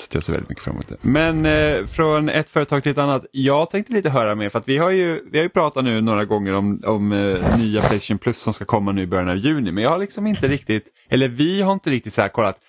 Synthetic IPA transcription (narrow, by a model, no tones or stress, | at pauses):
sɛ̥t̪ʰœ̰ːsɛɪvɛ̰lɪt̪mʏkːə̥fɾa̰mːo̰ːt̪̚d̪ɛ̰mɛnfɾɔnɛ̰t̪fœːɾət̪ʰɑːɡt̪ʰɪlɛt̪anːat̪jɑːɡt̪ʰɛŋkt̪əliːt̪əɦœːɾameːɾfœɾat̪vɪhaɾjɵvɪhaɾjɵpʰɾɑːt̪at̪nʉ̟ːnoːɾaɡɔŋːəɾɔmɔmnyːapʰlɛɪst̪ɛʊnpʰlɵsːɔmskakʰɔmːanʉ̟ːɪbœɾjanɑvjʉ̟ːnɪmɛnjɑːhaɭɪksɔmɪnt̪əɾɪk̚t̪ɪt̪ | ɛlːəɾvɪhaɾɪnt̪əɾɪk̚t̪ɪt̪sahæ̰ːkʰɔlːat̪